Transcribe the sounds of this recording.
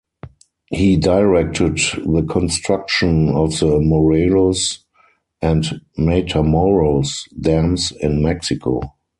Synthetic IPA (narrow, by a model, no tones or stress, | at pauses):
hiːdaɪɹɛk̚tʰɪdðəkʰɔ̃nstɹak̚ʃə̃nɔfðəmɔɹelos | ʔæ̃ntmetʰamɔɹəlsdæ̃msɪ̃nmɛksɪkʰo̰